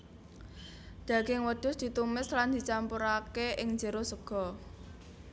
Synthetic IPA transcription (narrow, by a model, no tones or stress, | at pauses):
d̪̥a̤ɡ̥ɪŋwəd̪̥ʊ̤sd̪̥i̤t̪umɪsland̪i̤t͡ʃampuɾakeʔɪŋɲd͡ʒə̤ɾosəɡ̥ɔ̤